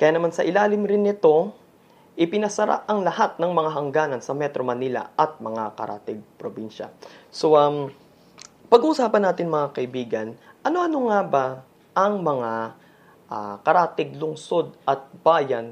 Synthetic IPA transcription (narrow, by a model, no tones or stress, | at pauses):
kɐjaːnɐmansɐʔɪlaːlɪmɾɪnːɪt̪o̞ | ʔɪpɪnɐsɐɾa̰ʔʔɐŋlɐhat̪̚nɐŋmɐŋaɦɐŋɡaːnɐnsɐmɛt̪ɾomɐnilɐ̰ʔɐt̪̚mɐŋakɐ̰ɾʔa̰ːt̪ɛɡ̚pɾobinʃɐ̰so̞ʔɐm | pɐɡʔuʔuːsaːpɐnːaːt̪ɪnmɐŋakɐʔɪbiːɡɐnʔɐno̞ʔɐno̞ŋaba | ʔɐŋmɐŋa | ʔa̰kɐɾaːt̪ɪɡ̚lʊŋso̞d̪ɐt̪̚b̥aːjɐn